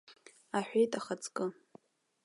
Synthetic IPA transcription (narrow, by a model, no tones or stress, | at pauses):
aħʷᶣejtʼaχat͡sʰʼkʼɨ